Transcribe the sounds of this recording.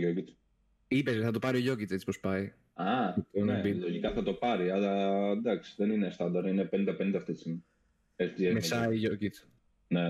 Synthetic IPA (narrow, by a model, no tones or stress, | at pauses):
oci | ipesθɐt̪̬opɐɾioʝocit̪set͡sipospɐj | ɐt̪onobiloʝikɐθɐt̪o̞pɐɾiɐlɐd̪ɐksi̥ðe̞ninest̪ɐnd̪ɐɾinepenĩnd̪ɐpe̞nind̪ɐft̪esim | eçt̪iemesɐiʝocit͡s | ne